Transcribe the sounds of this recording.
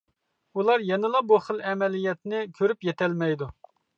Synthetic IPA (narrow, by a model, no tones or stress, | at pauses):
ulˠɑɾjɛnɨlˠɑbuχəlɛmɛlijɛt̪nɪkʲʰøɾypjɛt̪ʰɛlmɛjd̪u